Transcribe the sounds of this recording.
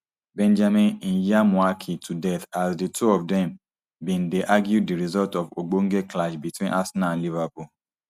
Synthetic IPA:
bɛ̃nd͡ʒamĩnn̩jamũakʰitʰudɛtasditʰuɔfdɛ̃m | bĩn̩deʔaɡjudiɾizɔltɔvoɡ͡boŋ̩ɡeklaʃbitwĩnʔasnãnlivapu

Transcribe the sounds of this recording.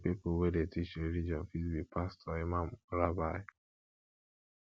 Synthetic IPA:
pipowedetiʃoɾid͡ʒɔnfizbik̚pastʰɔemamɾabaj

